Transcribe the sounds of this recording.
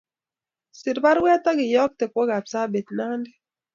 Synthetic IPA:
sɪ˨ɾba˦ɾwɛ˦tɔ˦ɡɪ˨jɔ˦k̚te˨kwɔ˦ɡa˨bsa˦be˨tna˦ndɛ˦

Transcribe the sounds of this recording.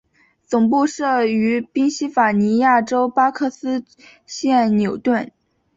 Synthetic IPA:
t͡sʊ˨˩ŋpu˥˧ʂɤ˥˩y˧˥pi˥ŋɕi˥fa˨˩ni˧˥ja˥˩ʈ͡ʂo˥ʊpa˥kʰɤ˥˧sɹ̩˥ | ɕjɛ˥˩nnjo˨˩ʊt̪wə˥˩n

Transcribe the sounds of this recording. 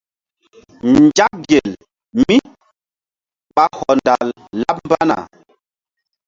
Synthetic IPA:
n˨d͡ʒa˦k̚ɡe˨l | mi˦ | ɓa˦hɔ˨nda˨lː | a˦p̚m˦ba˦na̰˨

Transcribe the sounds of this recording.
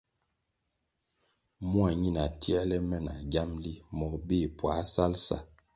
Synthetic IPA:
mwa˨ɲi˦na˨ti˦ɛ˦lɛ˦mɛ˦˨na˨ɡa˦mli˦mɔ˨k̚bi˦˨pwa˨˦sa˦lsa̰˦˨

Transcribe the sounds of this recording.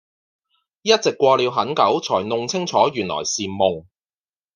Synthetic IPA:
jɐ˥t̚t͡sɪ˨kːʷɔː˧li˨˥wɦɐ˨˥nkɐ˨˥wt͡sʰɔː˨˩jnʊ˨˧ŋt͡sʰɪ˥ŋt͡ʃʰɔː˨˥ɥyː˨˩nlɔ̰ː˨˩jsiː˨mmʊ˨ŋ

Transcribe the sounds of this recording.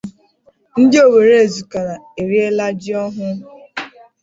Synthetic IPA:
n̩˦dɪ˦o˦˨we˨ɾe˦e˨zu˨ka˨ɾa˨e˨ɾi˦e˦la˦d͡ʒi˦ɔ˦ɦʊ˦

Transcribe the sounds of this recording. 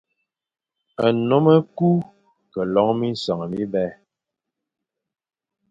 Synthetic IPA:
ə˨no˨˦mə˦ku˦ | kə˨lɔ˨˦ŋmi˦n˦sa˨ŋ˨mi˦bɛ˦

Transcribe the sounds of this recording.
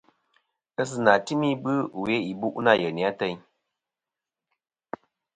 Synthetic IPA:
ə˦s̬ɨ˨na˨ti˦mi˦bɨ˦˨we˦i˨bu˦ʔna˦˨jə˨ni˨a˦tə˧ɲ

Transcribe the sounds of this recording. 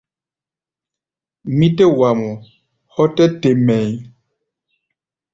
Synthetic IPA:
mi˦tɛ˦wa˨mɔ˨ | hɔ˦tɛ˦te˨mɛ˨j

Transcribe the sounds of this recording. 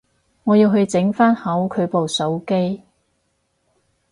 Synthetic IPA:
ŋɔː˨˧jiː˧wɦɵ˧ɥt͡sɪ˨˥ŋfaː˥nhɐ˨˥wkʰɵ˨˧ɥpo˨wso˨˥wke˥j

